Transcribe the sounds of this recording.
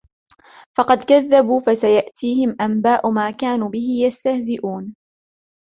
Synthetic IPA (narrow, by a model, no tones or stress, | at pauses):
fɑqɑd̪kaðːabuːfasajaʔt̪ʰiːhɪmʔambaːʔʊmaːkaːnuːbɪhɪjast̪ahzɪʔuːn